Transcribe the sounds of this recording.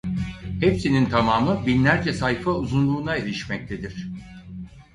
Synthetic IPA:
hepsinint̪ʰamaːmɯbinlʲæɾd͡ʒɛsajfauzunlˠuːnaeɾʲiʃmɛc̚t̪ʰed̪iɾ̥

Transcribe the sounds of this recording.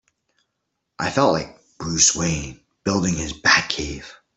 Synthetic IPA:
ʔaɪfɛlˠʔlaɪk̚ | b̥ɹʉswẽɪ̃n | b̥ɪlˠdɪ̃ŋɪzbækʰeɪv̥

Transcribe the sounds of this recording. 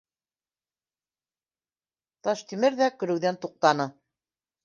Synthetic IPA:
t̪ɑʃt̪imɘɾðækɵ̆ɾɵ̆wðænt̪uq̚t̪ɑnɤ

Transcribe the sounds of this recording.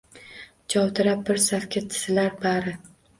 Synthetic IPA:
t͡ʃʰɒwt̪ʰɪɾap̚bɪɾsafkʲʰat̪ʰɪ̥sɪlaɾbaɾɪ

